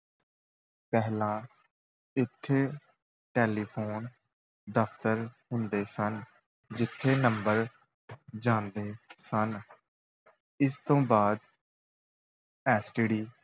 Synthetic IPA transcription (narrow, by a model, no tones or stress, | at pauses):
pɛɦlãː | ɪt̪ʰːeː | ʈeːliːpʰoːn | d̪əpʰt̪əɾɦʊnd̪eːsən | d͡ʒɪt̪ʰːeːnəmbəɾ | d͡ʒãːnd̪eːsən | ɪst̪õːbaːd̪̚ | ɛːsʈɪɖiː